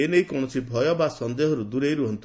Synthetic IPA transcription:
enejkɔɽ̃ɔsibʱɔjɔbasɔnd̪eɦɔɾud̪uɾejɾuɦɔnt̪u

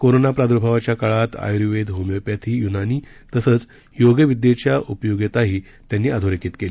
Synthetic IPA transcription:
koɾonapɾad̪ɾubʱaʋat͡ɕjakaɭat̪a̰jɾiʋed̪ɦomjepjat̪ʰiːjunaniː | t̪əsəːt͡s | joɡjəʋid̪jet͡ɕjaʔupjoɡet̪aɦiː | t̪janːiːad̪ʱoɾekiːt̪keliː

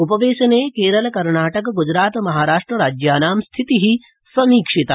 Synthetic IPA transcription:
upɐʋeːʃɐneːkeːɾɐlɐkɐɾɳaːʈɐkɡud͡ʒɾaːt̪mɐɦaːɾaːʂʈɾɐɾaːd͡ʒjaːnaːmst̪ʰit̪iɦi | sɐmiːkʂit̪a

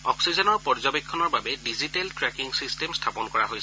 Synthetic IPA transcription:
ɔksizɔnɔɹpɔɹzɔbekʰːɔnɔɹbabɛdiziteltɹɛkiŋsistemstʰapɔnkɔɹaɦojs

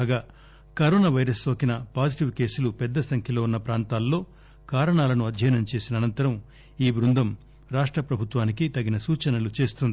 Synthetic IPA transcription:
ɡaː | kɐɾoːnaːʋɐjɾɐsoːkinɐpaːd͡ʒiʈiʋke̞ːsulupɛd̪ːɐsɐŋkʰjɐlo̞ːunːɐpɾaːnt̪aːlːo̞ː | kaːɾɐɳaːlɐnuɐd̪ʱjɐjnɐmt͡ʃe̞ːsinɐːnɐnt̪ɐɾɐm | iːbɾund̪ɐm | ɾaːʂʈɾɐpɾɐbʱut̪ʋaːnikit̪ɐɡːinɐsuːt͡ʃɐnɐlut͡ʃe̞ːst̪und̪i

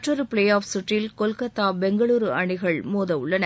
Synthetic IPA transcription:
ʈrɐɾɯpɪɭeːjaːfsʊʈrɪlkɔlkɐt̪ːaːbɛŋɡɐɭuːɾɯɐɳɪɣɐɭmoːðɐʊɭːɐnɐ

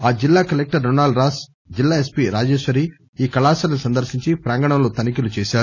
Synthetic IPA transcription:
aːd͡ʒilːaːkɐlek̚ʈɐɾːonaːlɖɾaːs | d͡ʒilːaːespiɾaːd͡ʒeːʃʋɐɾi | iːkɐlaːsɐlɐnusɐnd̪ɐɾʃiɲt͡ʃipɾaːŋɡɐɳɐmlot̪ɐnikilut͡ʃɛːʃaːɾu

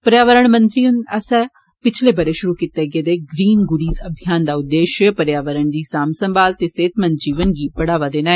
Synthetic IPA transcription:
pəɾjaːʋəɾəɳ̃mə̃nt̪ɾiːʊnəsɛ̃ | pɪt͡ʃʰleːbəɾeːʃʊɾuːkit̪eːɡeːd̪eːɡɾiːnɡʊɽiːzəbʱijaːnd̪aːʊd̪ːeːʃəpəɾjaːʋəɾəɳ̃d̪iːsaːmsə̃mbaːlt̪eːseːt̪ʰmə̃nd͡ʒiːʋənɡiːpəɽaːʋaːd̪eːnaːeː

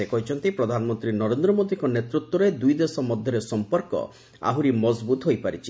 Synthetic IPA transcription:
ekɔɦit͡ʃʰɔnt̪ipɾɔd̪ʱanɔmɔnt̪ɾinɔɾend̪ɾɔmod̪iŋkɔnet̪ɾut̪wɔɾed̪ujd̪esɔmɔd̪ʱjɔɾesɔmpɔɾkɔ̰ | a̰ɦuɾimɔzbut̪ɦojpaɾit͡ʃʰi̥

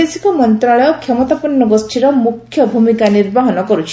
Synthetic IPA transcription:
esi̥kɔmɔnt̪ɾaɭɔjɔkʰːɔmɔt̪apɔnːɔɡɔsʈʰiɾɔmukʰːjɔbʱumikaniɾbaɦɔnɔkɔɾut͡ʃʰi̥

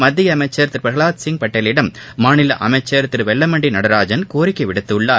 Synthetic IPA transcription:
mɐd̪ːɪjɐɐmɐɪt͡ʃːɐɾt̪ːɪɾpɾɐɣɐɭaːt̪sɪŋpɐʈːelɪɽɐmːaːnɪlɐʔɐmɐɪt͡ʃːɐɾt̪ːɪɾʋɛlːɐmɐɳɖinɐɽɐɾaːd͡ʒɐnkoːɾɪkːɐʋɪɽɯt̪ːɯɭːaː

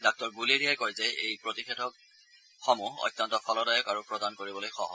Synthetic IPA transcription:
dak̚tɔɹbuleɹiajkɔɹzɛejpɹotixɛtʰɔk̚ | xɔmuɔ̰jtːɔntɔfʰɔlɔdajɔkaɹupɹɔdankoɹibɔlojxɔ̰ɦɔ̰

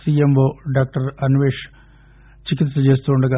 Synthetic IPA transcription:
siemboːɖaːk̚ʈɐɾɐnuʋeːʂ | t͡ɕikit̪sɐt͡ɕe̞ːst̪uoɳɖɐɡɐ

